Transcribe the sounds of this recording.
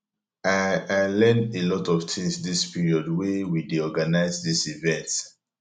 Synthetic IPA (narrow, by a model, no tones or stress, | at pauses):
aaɪlɛ̃ndelɔtɔv̥tʰĩmsdispʰiɹiɔdwɛwidiɔɡanaɪzdisivɛ̃nt